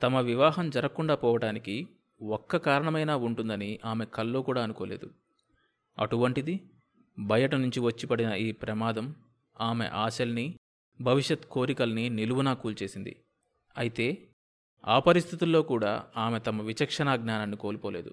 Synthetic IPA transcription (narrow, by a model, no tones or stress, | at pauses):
t̪ɐmɐʋiʋaːɦɐmd͡ʒɐɾɐkːuɳɖaːpɔːʋɐʈaːniki | ɔkːɐkaːɾɐɳɐmɐjnaːuɳʈund̪ɐniʔaːme̞kɐlːoːkuːɽaːɐnukoːleːd̪u | ɐ̰ʈuʋɐɳʈid̪i | bʱɐjɐʈɐnuɲt͡ʃiʋɐt͡ʃːipɐɽinɐiːpɾɐmaːd̪ɐm | aːme̞̰ʔaːsɐlɐni | bʱɐʋiʂjɐt̪ko̞ːɾikɐlɐniniluʋunaːkuːlt͡ʃe̞ːsind̪ḭ | ɐjit̪e̞ː | aːpɐɾist̪ʰit̪ulːo̞ːkuːɽa̰ːaːme̞t̪ɐmɐʋit͡ʃɐkʂɐnaːɡnaːnaːnːiko̞ːlupoːle̞ːd̪ṵ